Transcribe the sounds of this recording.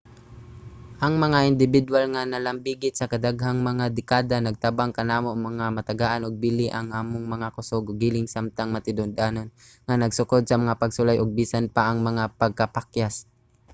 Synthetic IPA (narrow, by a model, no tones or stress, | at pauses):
ʔɐŋmɐŋaʔɪnd̪ɪbɪd̪walŋanɐlɐmbiɡɪt̪sɐkɐd̪aɡhaŋmɐŋad̪ɪkaːd̪anɐɡ̚t̪abaŋkɐnaːmomɐŋamɐt̪ɐɡaːʔanoɡ̚bilɪʔɐŋʔaːmoŋmɐŋakʊsoɡoɡiːlɪŋsamt̪aŋmɐt̪ɪd̪ʊnd̪aːnon | ŋanɐɡsʊkod̪̚sɐmɐŋapɐɡsʊlajʔoɡ̚biːsanpaʔɐŋmɐŋapɐɡ̚kɐpakjas